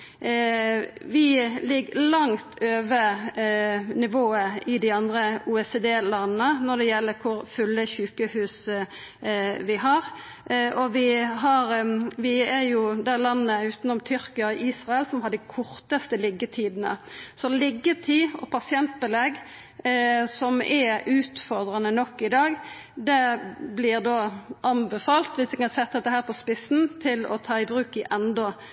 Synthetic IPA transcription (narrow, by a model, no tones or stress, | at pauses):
ʋɪlɪɡːlɑŋt̪ʰøːʋə | nɪʋoːəɪd̪ɪɑnd̪ɾəuːɛsed̪eːlɑnnənɔɖ̪ɛjɛlːəkʰʊɾfʉlːəçʉːkəhʉːs | ʋɪɦɑɾ | ʔɔʋɪɦɑɾʋɪɛɾjʊd̪ɛlɑnːəʉːt̪n̩ɔmt̪ʰʏɾkɪɑʔiːsʁɑɛlsɔmhɑd̪æɪkʰʊɾt̪əst̪əlɪɡːət̪ʰiːd̪n̩ə̰sɔlɪɡːət̪ʰiːɔ̰pʰɑsɪɛnt̪̚bɛlɛɡ | sɔmʔɛʔʉːt̪fɔʁd̪ɾɑnənɔkːɪd̪ɑːɡ | d̪ɛblɪʁd̪oːʔɑnbɛfɑːlt̪ʋɪsɛkɑnsɛt̪̚ːd̪ɛt̪ːəɦæːɾpʰɔspɪsnt̪ʰɪlɔ̰t̪ʰɑːɪbɾʉːkɪʔɛnd̪ɔ